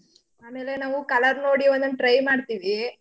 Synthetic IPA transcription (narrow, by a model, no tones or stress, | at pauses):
aːmeːlenaːʋukɐlɐɾnoːɽiond̪ɐnʈɾɐjmaːɽt̪iːʋi